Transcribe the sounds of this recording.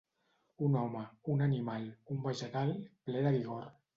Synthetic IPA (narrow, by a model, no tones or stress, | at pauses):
unɔməunanimalumbəʒət̪alplɛðaβiɣoɾ